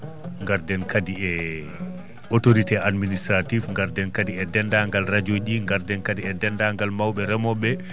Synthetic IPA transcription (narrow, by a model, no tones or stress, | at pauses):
ŋɡaɾdɛnkʰadiɛ | otoɾitɛadministɾatifŋɡaɾdɛnkadiɛdɛndaŋɡalɾad͡ʒoʄiŋɡaɾdɛnkadiɛdɛndaŋɡalmawɓɛɾɛmɔɓɛ